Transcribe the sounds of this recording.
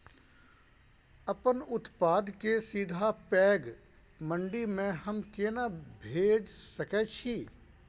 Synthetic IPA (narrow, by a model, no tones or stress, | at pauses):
əpənʊt̪paːd̪kesiːd̪ʱapɛːɡ | mə̃ɳɖimẽhəmkeːnabʱeːd͡ʒsəkɛt͡ʃʰi